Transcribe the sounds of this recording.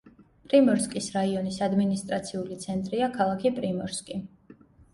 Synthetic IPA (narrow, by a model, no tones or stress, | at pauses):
pʼɾimɔɾskʼisɾaiɔnisad̪minist̪ʼɾat̪sʰiulit̪sʰɛnt̪ʼɾiakʰalˠakʰipʼɾimɔɾskʼi